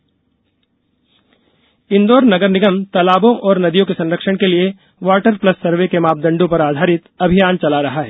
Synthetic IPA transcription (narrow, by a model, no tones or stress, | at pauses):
ɪ̃nd̪oːɾnɐɡəɾnɪɡəmt̪ɐlaːbõʔɔːɾnɐd̪ijõkesɐ̃nɾəkʃəɽ̃kelie | ʋaːʈəɾplɐsːɐɾʋekemaːp̚d̪ɐ̃ɳɖõpɐɾaːd̪ʱaːɾɪt̪ɐbʱɪjaːnt͡ʃɐlaɾɐɦaɦɛː